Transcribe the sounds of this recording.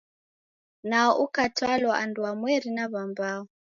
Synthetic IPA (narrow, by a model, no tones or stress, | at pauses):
naɔʔukatʰwalwaʔanduamwɛɾinaβambaɔ